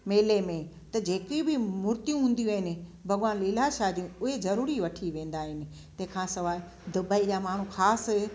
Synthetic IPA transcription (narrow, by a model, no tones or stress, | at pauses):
meːlemẽ | t̪ɐd͡ʑeːkibɪmʊɾt̪ijũɦũːn̆d̪ijũɦɪnɪ̆bʱɐɡʋaːnlɪlaʃaːd͡ʑiũʊɦezɐɾuːɾiʋɐʈʰiʋẽːn̆d̪aːɦɪnɪ̆ | t̪ɐ̃ɦɪ̃kʰãːsɐʋaːɪ | d̪ʊbəid͡ʑaːmaːɳ̤ũxaːsɦɛ